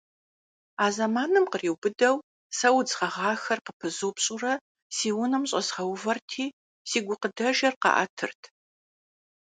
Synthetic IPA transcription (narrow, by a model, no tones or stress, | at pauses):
aːzɐmaːnɨmqəriːwbɨdɐw | sɐwd͡zʁɐʁɑːxɐrqəpʰɨzoːpɕʼʊrɐ | siːwʊnɐmɕʼɐzʁɐwvɐrtʰiː | siːɡʷʊqədɐʒɐrqɑ̰ʔɐ̰tʰɨ̰rtʰ